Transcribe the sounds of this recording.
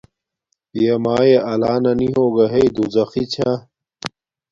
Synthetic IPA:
jemaːjeʔɐlaːnɐniɦoːɡɐɦeid̪uzɐxit͡ɕʰa

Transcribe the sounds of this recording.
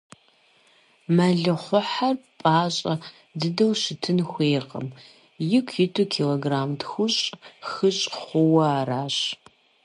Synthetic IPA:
mɐɮɨχʷʊħarpʼaːɕʼɐ | dɨdɐwʃɪtʰɨnxʷeːqɐ̰m | jɪkʷʰjɪtʰukʰiloɡraːmdxʷʊɕʼxɨɕʼχʷʊwɐaːraːɕʼ

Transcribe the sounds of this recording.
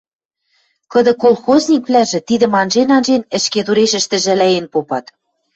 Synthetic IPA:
kɤ̆d̪ɤ̆kolˠxozʲnʲik̚βlæʒɘ̆t̪id̪ɘ̆mɑnʒenɑnʒenɘ̆ʃket̪uɾeʃɘ̆ʃt̪ɘ̆ʒælæjenpopɑt̪

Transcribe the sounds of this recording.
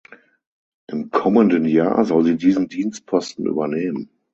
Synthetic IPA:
ʔɪmkʰɔməndənja̰ːɐzɔlziːdiːzəm̩diːnst̚pʰɔstn̩ʔy̰ːbɐneːmən

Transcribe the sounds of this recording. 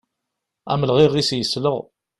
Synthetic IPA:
æ̰məlʁɪʁisjəsləʁ

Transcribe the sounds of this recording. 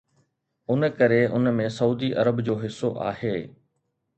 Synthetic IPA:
ʊnkɐɾeʊnmẽsɐuːd̪iʔɐ̰ɾəbd͡ʑoːɦɪsːoʔa̰ːɦeː

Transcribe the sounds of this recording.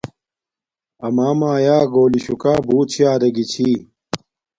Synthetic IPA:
ɐmaːmaːjaːɡoːliɕukaːbuːt̪̚t͡ɕʰiaːɾɐɡit͡ɕʰiː

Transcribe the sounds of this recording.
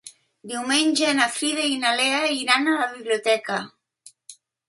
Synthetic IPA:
d̪iwmenʲʒeːnafɾiðeinaleaiɾanalaβiβliot̪ɛka

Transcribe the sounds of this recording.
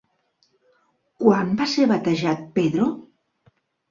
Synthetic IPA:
kwambaseɾβat̪aʒat̪̚peðɾo

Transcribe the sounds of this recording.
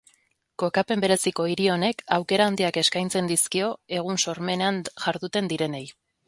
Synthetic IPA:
ko̞kape̞mbe̞ɾe̞siko̞iɾio̞ne̞kawke̞ɾaːnd̪iake̞skajnt͡se̞nd̪iskio̞e̞ɣ̞unso̞ɾme̞neanʝaɾðut̪e̞nd̪iɾe̞ne̞j

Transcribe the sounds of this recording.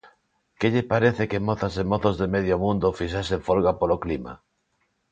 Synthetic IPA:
keʎepaɾeθekemoθasemoθozðemeð̞jomũnd̪ofiʃaseɱfolɣapoloklima̰

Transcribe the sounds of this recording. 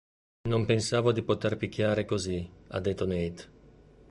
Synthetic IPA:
nompensaːvod̪ipot̪erpik̟ːjaːɾekozia̰d̪ːet̪ːonejt̪

